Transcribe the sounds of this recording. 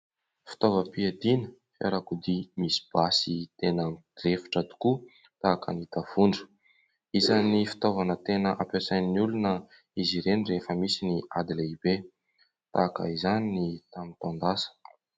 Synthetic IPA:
fi̥t̪ovəpiad̪inə̥fḛɾakud̪imisi̥b̥asit̪enə̥refi̥ʈ͡ʂad̪u̥ku | t̪akə̰nit̪av̥uɳɖ͡ʐə̥ | izanifi̥t̪ovanət̪enəʔapʲjasajniniulunə | iziɾenirefəmisiniad̪ileibe | t̪a̰kə̰izaninit̪amit̪and̪asə̥

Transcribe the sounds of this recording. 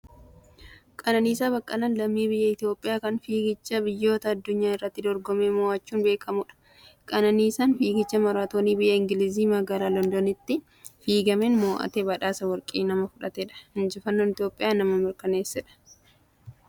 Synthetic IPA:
kʼɐnɐniːsaːbɐkʼːɐlɐnlɐmːiːbɪjːɐɪt̪jo̞ːpʼːɪjaːkɐnfiːɡɪt͡ʃːɐbɪjːo̞ːt̪ɐːd̪ːʊɲːaːɪrːɐt̪ːɪd̪ɔɾɡɔmeːmɔaːt͡ʃːuːnbe̞ːkʰɐmʊᶑɐ̥ | kʼɐnɐniːsaːnfiːɡɪt͡ʃːɐmɐɾaːt̪oːniːbɪjːɐɪŋɡɪlɪziːmɐɡalaːlɔnd̪onɪt̪ːɪ | fiːɡɐmenmoːʔɐ̰t̪eːbɐᶑaːsɐwɐɾkʼiːnɐmɐfʊᶑɐt̪eːᶑɐ̥hɪnd͡ʒɪfɐnːoːnɪt̪jo̞ːpʼːɪjaːnɐmɐmɪɾkɐne̞ːsːɛᶑɐ̥

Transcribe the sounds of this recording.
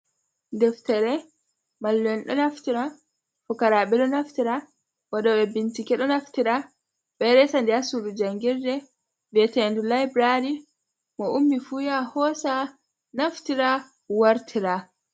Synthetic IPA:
ndɛftɛɾɛ | malːɛnɗɔnaftiɾa | fɔkaɾaɓɛɗɔnaftiɾa | waɗɔɓɛbintikɛɗɔnaftiɾa | ɓɛɾɛsandiasudud͡ʒaŋɡiɾdɛ | vɛtɛndulajbɾaɾi | mɔumːifujahɔsa | naftiɾa | waɾtʰiɾa

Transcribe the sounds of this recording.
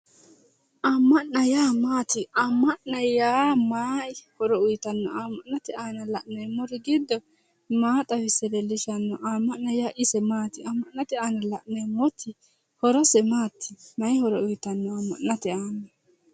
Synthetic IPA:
ʔamːɐʔnnɐjaːmaːt̪ɪamːɐʔnɐjjaːmaːhɔɾɔʊjt̪ɐnːɔaːmːɐʔnːɐt̪ɛaːnɐlɐʔnɐjmɔɾɪɡɪd̪ːɔ | maːt̪ʼɐwɪsɛɾɛlɪʃɐnːɔʔaːmːɐʔnːɐjaːʔɪsɛmaːt̪ɪamːɐʔːɐt̪ɛaːnɐlɐʔnɛjmɔt̪ʰːɪ | hɔɾɔsɛmaːt̪ʰːɪmɐjhɔɾɔʊjt̪ɐnːɔamːɐ̰nːɐt̪ɛaːnːɔ

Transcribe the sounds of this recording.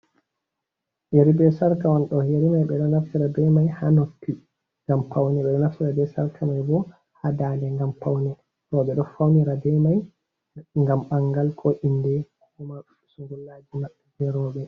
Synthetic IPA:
jeɾibɛsaɾkawanɗɔjeɾimajɓɛɗɔnaftiɾabɛmajhanokːi | ŋɡampawnɛɓɛɗɔnaftiɾabɛsaɾkʰamajbɔ | hadandɛŋɡampawnɛ | ɾɔɓɛɗɔfawniɾadɛmaj | ŋɡamɓaŋɡalkʰɔʔindɛkuma | suŋɡulːad͡ʒimaɓːɛd͡ʒɛɾɔɓɛ

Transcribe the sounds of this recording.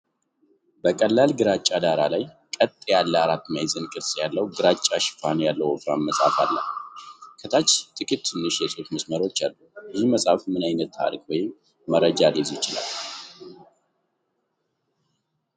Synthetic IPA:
bəkʼəlːalɡɨɾat͡ʃʼːad̪aɾalaj | kʼət̪ʼːjalːəaɾat̪ːmajzɨnkʼɨɾsjalːəwɡɨɾat͡ʃʼːaʃɪ̥fanjalːəwɔfɾanməsʼa̰fa̰lːə̰ | kʰət̪ʰat͡ʃːt̪ʼɨkʼit̪ːʰɨnːɨʃjɛso̞t̪məsməɾo̞t͡ʃːalːuəziməsʼafmɨnajnət̪ʰːa̰ɾkʼwɔjɪmː | əɾəd͡ʒad̪ezt͡ʃɪla̰lː

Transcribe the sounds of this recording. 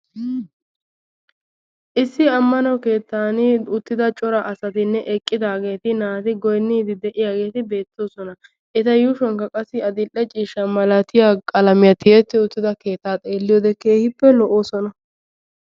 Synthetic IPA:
ʔɪsːɪɐmːɐnɐwke̞ːt̪ːaːnɪʊt̪ːɪd̪ɐt͡ʃʼɔɾɐʔɐsɐt̪ɪnːɛʔɛkʼːɪd̪aːɡe̞ːt̪ɪnaːt̪ɪɡɔjnːɪd̪ɪd̪ɛʔɪjaːɡe̞ːt̪ɪbe̞ːt̪ːo̞ːsɔnɐ | ʔɪt̪ɐjuːʃɔŋkɐkʼɐsːɪɐd̪ɪlʔːɛt͡ʃʼiːʃɐmɐlɐt̪ɪjaːkʼɐlɐmɪjɐt̪ɪjɛt̪ːɪʊt̪ːɪd̪ɐke̞ːt̪ːaːt̪ʼe̞ːlːɪjɔd̪ɛkːeːhɪpːɛlɔʔo̞ːsɔnɐ

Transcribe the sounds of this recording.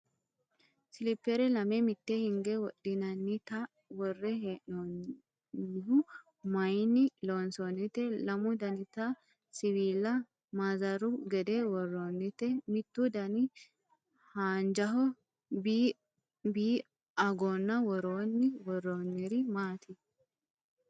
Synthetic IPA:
sɪlɪpːɛɾɛlɐmemɪt̪ːehɪŋɡɛwɔɗɪnɐnːɪt̪ɐ | wɔrːɛɦeʔon | ɪhʊ | mɐjnːɪloːnsonːɪt̪ɛlɐmʊd̪ɐnɪt̪ɐ | sɪwiːlːɐ | mazɐɾʊɡɛd̪ɛwɔrːoːnːɪt̪ɛmɪt̪ːʊd̪ɐnɪ | haːnd͡ʒɐɦɔ | bi | biː | ɐɡoːnːɐwɔɾoːnːɪwɔɾːoːnːɪɾɪmaːt̪ʰɪ

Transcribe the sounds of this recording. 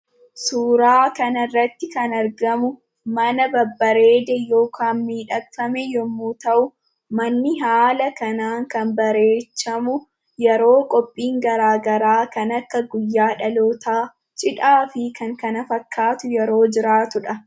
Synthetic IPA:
suːɾaːkɐnɐrːɐt̪ːɪkɐnɐɾɡɐmʊ | mɐnɐbɐbːɐɾeːd̪ɛjo̞ːkʰaːnmiːᶑɐɐmɛjɔmːuːt̪ɐʔʊ | mɐnːɪɦaːlɐkɐnaːŋkɐnbɐɾe̞ːt͡ʃːɐmʊ | jɛɾo̞ːkʼɔpʼːiːŋɡɐɾaːɡɐɾaːkɐnɐkːɐɡʊjːaːᶑɐloːt̪aː | t͡ʃʼɪᶑaːfɪkɐŋkɐnɐfɐkːaːt̪ʊjɛɾo̞ːd͡ʒɪɾaːt̪ʊᶑɐ

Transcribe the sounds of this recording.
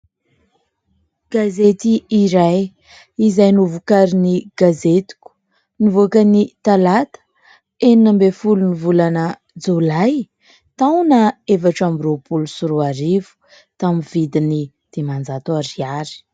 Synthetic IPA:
ɡ̥azet̪iːɾaj | izajnuvukaɾiniɡ̥azet̪i̥ku̥ | nivoakənit̪alat̪ə̥ | eninəmbefulunivulanə | d͡zolaj | t̪awnaevaʈ͡ʂambiɾopulusuɾuaɾivu̥ | t̪amivid̪ini | d̪̥emand͡zat̪oaɾiaɾi̥

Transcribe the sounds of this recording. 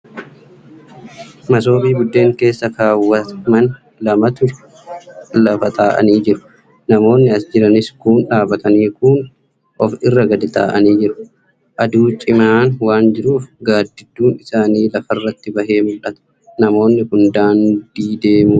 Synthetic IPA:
mɐs̬o̞ːbiːbʊd̪ːe̞ːŋke̞ːsːɐkaːwːɐtmɐn | lɐmɐt̪ʊ | lɐfɐt̪ʰaːʔɐ̰niːd͡ʒɪɾʊ̥ | nɐmo̞ːnːɪɐsd͡ʒɪɾɐnɪskuːnᶑaːbɐt̪ɐniːkʊːn | ʔɔfɪrːɐɡɐd̪ɪt̪a̰ːʔɐniːd͡ʒɪɾʊ̥ | ʔɐd̪uːt͡ʃʼɪmaːnwaːnd͡ʒɪɾuːfɡaːd̪ːɪd̪ːuːnɪsaːniːlɐfɐrːɐt̪ːɪbɐɦe̞ːmʊlʔɐt̪ɐ̥ | nɐmo̞ːnːɪhʊnd̪aːnd̪iːd̪e̞ːmu

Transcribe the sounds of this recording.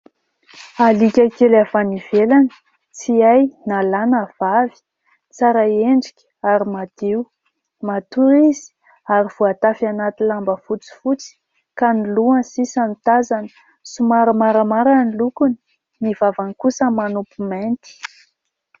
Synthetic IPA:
alikʲəkelafaniv̥elanə̥ | t͡siajnalanav̥avi̥ | t͡saɾaeɳɖ͡ʐikʲ | aɾimad̪̥ew | mat̪uɾizi̥ | aɾiv̥oat̪afanat̪ilambəfut͡si̥fut͡si̥ | kaniluansisanit̪azanə̥ | sumaɾəmaɾəmaɾanilukuni̥ | nivavankusəmanupument̪i̥

